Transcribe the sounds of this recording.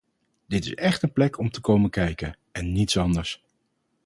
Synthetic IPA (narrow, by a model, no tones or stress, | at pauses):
d̥ɪtɪsɛχtənplɛkʰɔmtəkowməkɛjkən | ɛnːitsɑndəɹs